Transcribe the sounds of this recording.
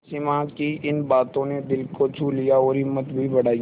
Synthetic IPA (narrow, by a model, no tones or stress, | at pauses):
sɪmãkiʔɪnbaːt̪õned̪ɪlkot͡ʃʰuːlijaɔːɾɪmːət̪bʱibɐɽaːi